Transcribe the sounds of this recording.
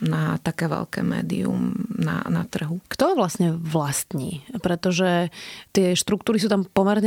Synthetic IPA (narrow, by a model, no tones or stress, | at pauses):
nat̪akɛːʋɛ̰lkɛ̰ːmɛ̰ːd̪ḭṵmna̰nat̪r̩ɦukt̪ɔʋlasɲɛʋlast̪ɲḭːpɾɛt̪ɔʒɛt̪ɪɛʃt̪ɾukt̪uːɾis̬uːt̪ampɔmɛɾɲɛ